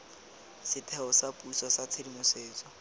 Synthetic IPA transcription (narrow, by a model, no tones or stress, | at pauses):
sɪtʰɛɔsapusɔsat͡sʰedimʊseːt͡sʼɔ